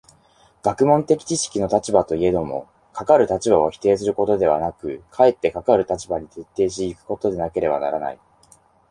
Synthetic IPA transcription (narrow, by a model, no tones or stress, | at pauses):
ɡ̥akɯ̟mõ̞nt̪e̞kʲi̥t͡ɕiɕi̥kʲino̞t̪at͡ɕibat̪o̞ie̞d̪o̞mo̞̰ | kʰakaɾɯ̟t̪at͡ɕibaoçʲi̥t̪e̞ːsɨɾɯ̟ko̞t̪o̞d̪e̞β̞a̰nakɯ̟kʰae̞t̪ːe̞kakaɾɯ̟t̪at͡ɕibaɲ̟it̪e̞t̪ːe̞ːɕ̬ːkɯ̟̥ko̞t̪o̞d̪e̞nake̞ɾe̞ba̰na̰ɾana̰i